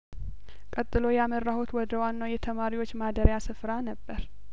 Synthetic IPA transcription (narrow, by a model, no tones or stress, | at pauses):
kʼət̪ʼːɨlo̞jamərːahut̪wɔd̪əwanːawjɛt̪ʰəmaɾiwo̞t͡ʃːmad̪əɾjasɨfɾanəbːəɾ